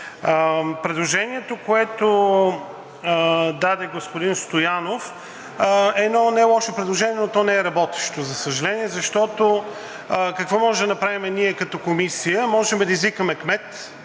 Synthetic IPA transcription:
pɾɛd̪lˠoʒɛniɛt̪okoɛt̪o | d̪ad̪ɛɡospʊd̪inst̪ojanof | ɛːd̪nɔnɛlˠɔʃopɾɛd̪lˠoʒɛniɛnot̪ɔnɛɛɾɐbɔt̪ɛ̥ʃt̪ozɐsəʒɐlɛniɛzɐʃt̪ɔt̪o | kɐkvɔmɔʒɛd̪ɐnɐpɾavimɛniɛkɐt̪ɔkomisijəmɔʒɛmɛd̪ɐizvikəmɛkmɛt̪

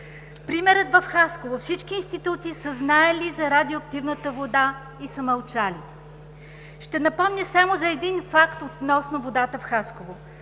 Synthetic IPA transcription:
pɾimɛɾət̪vɐfxaskovofsit͡ʃkiːnst̪it̪ut̪siːsəznaɛlizɐɾad̪ioɐk̚t̪ivnət̪əvod̪a | isəmɐlˠt͡ʃali | ʃt̪ɛnɐpɔmnʲəsamozɐɛd̪infakt̪ot̪nɔsnovod̪at̪əfxaskovo

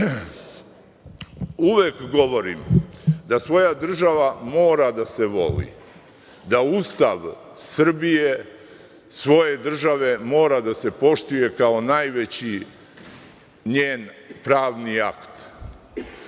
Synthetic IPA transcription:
uʋekɡo̞ʋo̞ɾḭmd̪asʋo̞jad̪r̩ʒaʋamo̞ːɾad̪ase̞ʋo̞̰lḭ | d̪aust̪aʋ | sr̩bije̞ | sʋo̞je̞d̪r̩ʒaʋe̞mo̞ːɾad̪ase̞po̞ʃt̪uje̞kao̞najʋe̞t͡ɕi | ɲeːnpɾaːʋnia̰kt̪

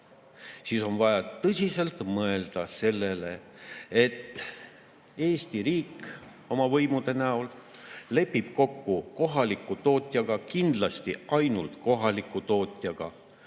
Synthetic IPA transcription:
siːso̞nvɑjɑt̪ɤsʲise̞lt̪mɤe̞ld̪̥ɑse̞lːe̞le̞ | e̞t̪ː | e̞ːst̪iɾiːk | o̞mɑvɤjmud̪̥e̞næo̞l | le̞pːib̥̚ko̞kːuko̞ɦɑlikːˑut̪o̞ːt̪ʲˑjɑɡ̥ɑkind̪̥lɑst̪iʔɑjnult̪ko̞ɦɑlikːˑut̪o̞ːt̪ʲˑjɑɡ̥ɑ

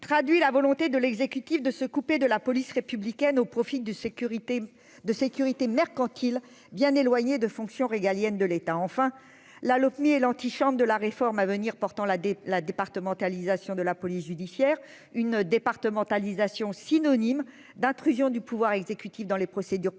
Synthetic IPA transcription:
t̪χad̪ɥilavɔlɔ̃t̪ed̪əlɛɡzekʲyt̪ifd̪əsəkuped̪əlapɔlisʁepyblikʲɛnopχɔfid̪ | d̪əsekʲyʁit̪emɛʁkɑ̃t̪ʰil | bjɛ̃nelwaɲed̪əfɔ̃ksjɔ̃ʁeɡaljɛnd̪əlet̪aɑ̃fɛ̃ | lalɔpmiɛlɑ̃t̪iʃɑ̃bʁd̪əlaʁefɔʁmavəniʁpɔʁt̪ɑ̃lad̪epaʁt̪əmɑ̃t̪alizasjɔ̃d̪əlapɔlisʒyd̪isjɛʁ | ynd̪epaʁt̪əmɑ̃t̪alizasjɔ̃sinɔnim | d̪ɛ̃t̪χyzjɔ̃d̪ypuvwaʁɛɡzekʲyt̪ifd̪ɑ̃lepχɔsed̪yʁ

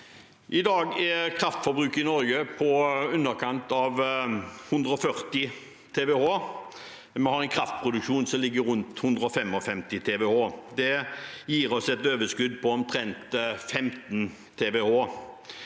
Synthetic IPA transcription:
ʔɪd̪ɑːɡɛkʰɾɑft̪fɔbɾʉːkəɪnɔɾɡəpʰɔʉnːəɾkʰɑnt̪ɑʋhʉnd̪ɾəɔfœʁt̪ɪ | t̪ʰeːʋɛhoː | mɛhɑʁɛɪnkʰɾɑft̪̚pʰʁʊd̪ʉkʃuːnsɔmlɪɡːəɾʉnt̪hʉnd̪ɾəɔfɛmɔfɛmt̪ɪt̪ʰeːʋɛhoːd̪ɛjiːɾɔsɛt̪øːʋəskʉd̪pʰɔɔmt̪ʰɾɛnt̪fɛmt̪n | t̪ʰeːʋɛhoː

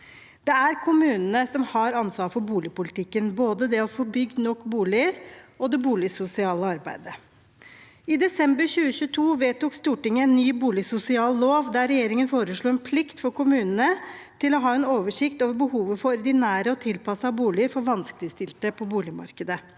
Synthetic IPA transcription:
d̪̥ɛæɾkʰʊmʉːnənəsɔmhɑɾɑnsʋɑːfɔɾbuːlɪəpʊlɪt̪ɪkːənboːd̪əd̪ɛɔfɔɾbʏɡːnɔkːbuːlɪəɾɔd̪ɛbuːlɪsʊsɪɑːləɑɾbæ̰ɪd̪ə | ɪd̪ɛsɛmbəɾçʉːəçʉːət̪ʰuːʋeːt̪uːkst̪uːʈɪŋːəɛnːyːbuːlɪsʊsɪɑːlloːʋd̪æɾɛjeːɾɪŋənfoːɾəʂɭuːɛnpʰlɪkt̪fɔɾkʰʊmʉːnənət̪ʰɪlɔɦɑːɛnoːʋəʂɪkt̪oːʋəɾbəhuːʋəfɔɾɔɾd̪ɪnæːɾəɔt̪ʰɪlpɑsɑːbuːlɪəɾfɔɾʋɑnskəlɪəst̪ɪlt̪əpʰɔbuːlɪmɑ̰ɾkəd̪ə

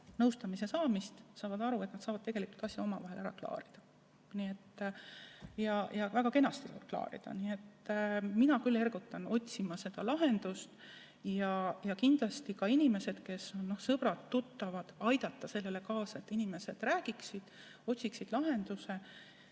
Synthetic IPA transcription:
nɤwst̪ɑmise̞sɑːmist̪sɑːvɑd̪ɑɾuet̪nɑd̪sɑːvɑd̪t̪eɡ̥e̞likult̪ɑsjɑo̞mɑvɑɦe̞lʔæɾɑ̰klɑ̰ːɾid̪̥ɑ̥ | nie̞t̪ː | jɑjɑvæɡ̥ɑke̞nɑst̪iɑ̰klɑ̰ːɾḭd̪̥ɑ̰nie̞t̪ːminɑkylːe̞rɡut̪ːˑɑno̞t̪ʲsimɑse̞d̪̥ɑlɑɦe̞nd̪̥ust̪ | jɑjɑkind̪̥lɑst̪ikɑinime̞se̞d̪̥ke̞sonno̞hsɤb̥ɾɑt̪ːut̪ːɑvɑd̪̥ɑjd̪̥ɑt̪ːɑse̞lːe̞le̞kɑːsɑe̞t̪ːˑinime̞se̞d̪̥ræːɡ̥iksid̪̥ | o̞t̪ʲsiksid̪̥lɑɦe̞nd̪use̞

